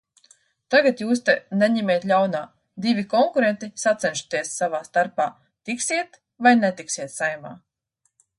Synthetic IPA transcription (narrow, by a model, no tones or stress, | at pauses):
t̪aɡat̪juːs̬t̪enɛɲɛmeːt̪ʎʲawnaː | d̪ivʲikɔŋkuɾent̪isat̪sɛnʃu̥t̪iɛsːavaːst̪aɾpaː | t̪iksiɛt̪ | vajnet̪iksiɛt̪sajma̰ː